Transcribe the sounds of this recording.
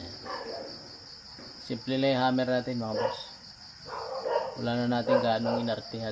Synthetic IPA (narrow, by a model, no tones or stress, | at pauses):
siplileɦamɛrat̪imabas | ulananat̪iŋɡanuŋinart̪iɦa